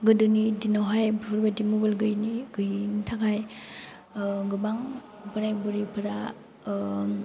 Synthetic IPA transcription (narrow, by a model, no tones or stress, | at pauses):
ɡɯdɯnidinawɦajbpʰɯɾbadimubalɡɯjniɡ̥ɯjntʰakʰaj | ɡɯbaŋ | pɯɾajbuɾipʰɯɾa